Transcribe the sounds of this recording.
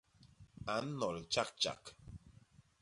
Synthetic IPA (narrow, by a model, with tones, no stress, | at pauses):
a˨˦n̩˦nɔ˨lt͡ʃa˦k̚t͡ʃa̰˨k